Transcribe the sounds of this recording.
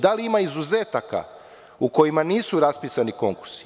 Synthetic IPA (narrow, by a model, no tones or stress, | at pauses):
d̪aliimaizuze̞ːt̪aka̰ | uko̞jimaniːsuɾaspiːsaniko̞ŋkuɾsi̥